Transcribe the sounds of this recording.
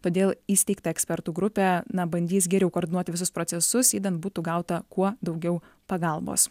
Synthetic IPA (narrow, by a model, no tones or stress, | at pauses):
t̪oːd̪ʲeːlˠiːsʲt̪ʲɛɪkt̪ɐɛksʲpʲɛɾt̪uːɡɾʊpʲɛːnɐbɐnʲd̪ʲiːs̬ɡʲɛɾʲɛʊkoːɾʲd̪ʲɪnuɔt̪ʲɪʋʲɪsʊspɾoːt͡s̪sʲɛsʊsiːd̪ɐnt̪̚buːt̪uːɡɐʊt̪ɐkuɔd̪ɒʊɡʲɛʊ | pɐɡɐlˠbo̰ːs